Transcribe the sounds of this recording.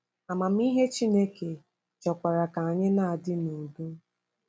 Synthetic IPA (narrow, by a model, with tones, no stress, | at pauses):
a˨ma˨m̩˦i˦ɦe˦t͡ʃi˦ne˦ke˨ | t͡ʃɔ˨kʷa˨ɾa˨ka˨a˨ɲɪ˦na˦a˨dɪ˦no˨bu˦